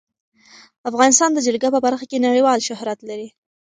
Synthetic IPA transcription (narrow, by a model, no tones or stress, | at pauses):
afɣɑnɪst̪ɑnd̪əd͡ʒaɽɡapəbaɾxakenaɽiwɑlʃʊɦɾat̪laɾi